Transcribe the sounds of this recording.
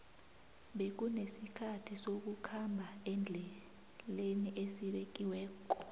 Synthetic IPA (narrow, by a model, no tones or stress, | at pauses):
ɓek̬unesikʰatʰisok̬ukʰambʱaɛnd͡ɮʱɛ | leniʔesiɓek̬iwɛːk̬ɔ